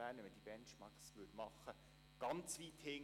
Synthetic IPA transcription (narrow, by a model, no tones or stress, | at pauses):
æːnəmɛd̥ib̥ɛnʃmɑkslʉtmɑχə | ɡ̥ɑnt͡sʋiːt̪hɪŋ